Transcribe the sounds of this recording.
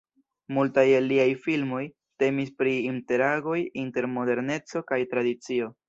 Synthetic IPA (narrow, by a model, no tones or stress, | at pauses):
multajelːiajfilmo̞j | te̞mispɾiːnte̞ɾaɡo̞jinte̞ɾmo̞de̞ɾne̞t͡so̞kajtɾadit͡sio̞